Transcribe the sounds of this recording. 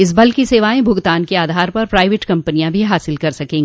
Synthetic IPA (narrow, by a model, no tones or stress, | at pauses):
ɪs̬bɐlkiseːʋaːẽbʱʊɡt̪aːnkeaːd̪ʱaːɾpɐɾpɾaːɪʋeːʈkɐ̃mpənijãbʱiɦaːsɪlkɐɾsɐkẽːŋɡ